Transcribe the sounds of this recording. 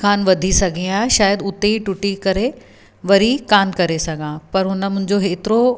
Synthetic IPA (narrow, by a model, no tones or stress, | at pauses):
kʰaːnʋɐd̪ʱisɐɡʱĩaːɦeʃaːjəd̪ʊt̪eiʈʊʈikɐɾe | ʋɐɾikaːnkɐɾesɐɡʱãːpɐɾɦʊnə̆mʊ̃ɦɪ̃ɲd͡ʑoɦeːt̪ɪɾo